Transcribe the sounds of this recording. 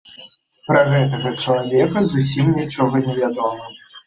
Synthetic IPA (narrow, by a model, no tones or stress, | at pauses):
pɾɐɣɛt̪̬ɐɣɐt͡ʂɐlˠavʲɛkɐzusʲimnʲit͡ʂɔɣɐnʲɛvʲad̪ɔmɐ